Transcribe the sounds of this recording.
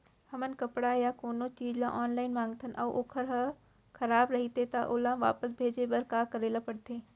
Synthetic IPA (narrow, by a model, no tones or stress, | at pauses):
hɐmənkɐpɽajakoːnot͡ʃiːd͡ʒlã̰ʔaːnlaːɪnmãːŋɡt̪ʰənʔɐːʔoːkʰəɾɦə | kʰɐɾaːbɾɐɦit̪et̪ɐʔoːlãʋa̰ːpəsbʱeːd͡ʒebɐɾkaːkɐɾeːlapɐɽt̪ʰeː